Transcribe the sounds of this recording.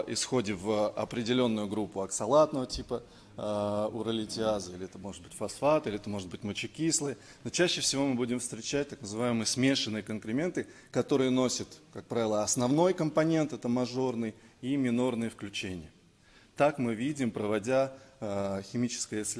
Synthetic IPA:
ɪsxo̞dʲɪvɐ̰pɾʲɪdʲɪlʲo̞nːʊjʊɡɾupːʊɐksɐlˠat̪nəvətʲipə | ʊɾəlʲɪtʲɪazəilʲɪɛt̪əmo̞ʐɨt̪̚bɨtʲfɐsfat̪ilʲɪɛt̪əmo̞ʐɨd̪bɨtʲmət͡ɕɪkʲislˠəjə | not͡ɕæɕːɪfsʲɪvo̞mɨbudʲɪmfst̪ɾʲɪt͡ɕæt̚ʲt̪aknəzɨvajɪmɨjəsmʲe̞ʂɨnːɨjəkənkɾʲɪmʲe̞nt̪ɨ | kɐt̪o̞ɾɨjəno̞sʲət̪kak̚pɾavʲɪlˠəɐsnɐvno̞jkəmpɐnʲe̞nt̪ɛt̪əmɐʐo̞rnɨjimʲɪno̞rnɨjəfklʲʉt͡ɕenʲɪjə | t̪akmɨvʲidʲɪmpɾəvɐdʲa | xʲɪmʲit͡ɕɪ̥skəjəsʲ

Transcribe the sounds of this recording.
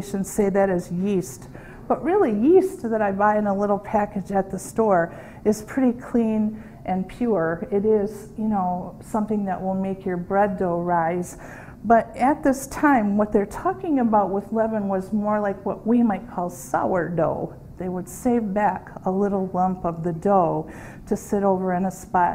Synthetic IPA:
ʃɨ̃nseɪðɨɾɨzjist | b̥ʌʔ̚ɹɪlˠijist̚ðɨɾaɪbaɪɨ̃nəlɪɾl̩ˠpʰækɨd͡ʒɨt̪̚ðɨstɔɹ | ɨz̥pʰɹ̥ɪɾikʰl̥ĩn | ʔɨ̃npʰj̥ʊɹɪɾɪz̥jɨnoʊsʌ̃mθɪ̃ŋðɨʔ̚wɪlˠmeɪkʰjə˞bɹɛdoʊɹaɪz̥ | b̥ʌɾɨt̪̚ðɪstʰãɪ̃mwʌt̪̚ðə˞tʰɔkɪ̃ŋɨbaʊt̚wʌðlɛvɨ̃nwʌzmɔɹlaɪkwʌʔ̚wimaɪt̚kʰɔlˠsa̰ʊə˞doʊ | ðeɪwəd̥seɪvbækəlɪɾl̩ˠlʌ̃mpʌvðɨdoʊ | ɾɨsɪɾoʊvə˞ɨ̃nɨspɑ

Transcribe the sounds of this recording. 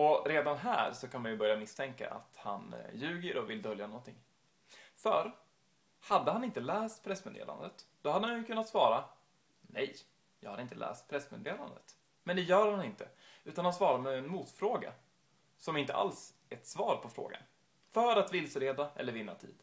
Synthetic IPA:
ɔɾeːd̪anɦæ̰ːɾsɔkʰanmanjɵbœɾjamɪst̪ʰɛŋka̰ʔa̰t̪ha̰njʉ̟ːɡəɾɔvɪld̪œljanɔnt̪ʰɪŋː | fœɾ | had̪ːəhanɪnt̪əlɛːst̪pʰɾɛsmeːd̪ḛːla̰nd̪ət̪d̪̥ɔhad̪ːəhanjɵkʰɵnːat̪svɑːɾa | nɛ̰j | jɑːɡhad̪əɪnt̪əlʔɛ̰ːst̪̚pʰɾɛsmḛːd̪eːla̰nd̪ə̰t̪ | mɛnd̪ɛjœːɾhanɪnt̪əʉ̟ːt̪anhansvɑːɾamɛɛnmuːt̪fɾoːɡa̰ | sɔmɪnt̪ə̰ʔa̰ls | ɛt̪svɑːɾpʰɔfɾo̰ːɡa̰n | fœɾat̪vɪlsəɾeːd̪aʔɛ̰lːəɾvɪnːat̪ʰḭːd̪̥

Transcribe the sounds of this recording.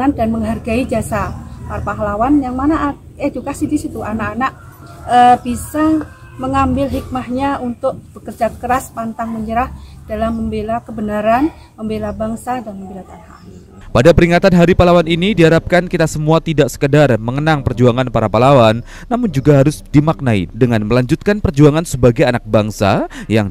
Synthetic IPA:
andanməŋɦarɡaid͡ʒasapaɾapaɦlawanjaŋmanaʔ | edukasidisit̪uʔanakanaʔ̚ | əb̥isaŋ | məŋambɪlɦik̚mahɲaʔunt̪ʊk̚b̥əkərd͡ʒat̪̚kəɾaspant̪aŋməɲəɾahd̥alamːəmbelakəbənaɾan | məmbelabaŋsadanməmbelat̪anha̰ | padapəɾiŋat̪anɦaɾipalawaninidiɦaɾap̚kankit̪asəmuat̪idaʔsə̥kədarməŋənaŋpərd͡ʒuaŋanpaɾapalawanː | amʊnd͡ʒuɡaɦaɾʊsdimak̚naḭdəŋanməlaɲd͡ʒut̪̚kanpərd͡ʒuaŋansəbaɡajanak̚baŋsa̰jaŋ

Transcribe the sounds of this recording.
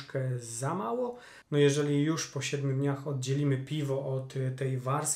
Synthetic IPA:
kɛzamawɔ | nɔjɛʐɛlʲijuʂpɔɕɛd̪mʲjud̪ɲaxɔd̪̚d͡ʑelʲimɘpʲivɔʔɔt̪ːɛjvaɾs

